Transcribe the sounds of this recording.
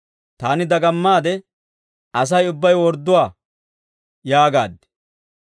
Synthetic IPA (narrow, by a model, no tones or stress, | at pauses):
t̪aːnɪd̪ɐɡɐmːaːd̪ɛ | ɐs̬ɐjʊbːɐjwɔɾd̪ːʊwaː | jaːɡaːd̪ːɪ̥